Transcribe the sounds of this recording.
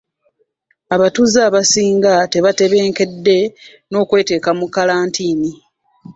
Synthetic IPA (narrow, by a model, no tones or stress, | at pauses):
aβatuzaːβasiːŋɡate̞βate̞βe̞ːŋke̞dːe̞ | no̞ːkwe̞ːte̞ːkamukalaːntʰiːni